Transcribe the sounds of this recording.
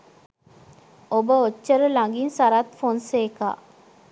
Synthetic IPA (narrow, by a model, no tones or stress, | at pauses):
obəot͡ʃːəɾəlaŋɡinsaɾat̪fonseːka̰ː